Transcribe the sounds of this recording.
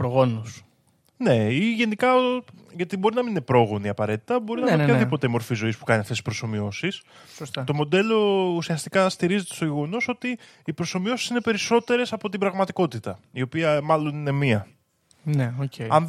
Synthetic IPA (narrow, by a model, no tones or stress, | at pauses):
pɾoɣo̞nus | ne̞iʝe̞nikɐ | ʝɐt̪ibo̞ɾinɐminine̞pɾo̞ɣo̞niɐpɐɾe̞t̪i̥t̪ɐbo̞ɾinɐiiopçɐðipo̞t̪emo̞ɾfizo̞ispu̥kɐniɐft̪esispɾoso̞mio̞sis | sost̪ɐt̪o̞mo̞d̪e̞lo̞usiɐst̪ikɐst̪iɾize̞t̪e̞st̪oʝeɣo̞no̞so̞t̪iː | pɾo̞so̞mio̞si̥sine̞pe̞ɾiso̞t̪e̞ɾe̞sɐpo̞t̪ibɾɐɣmɐt̪iko̞t̪it̪ɐio̞piɐmɐlo̞nine̞miɐ | neoceɐn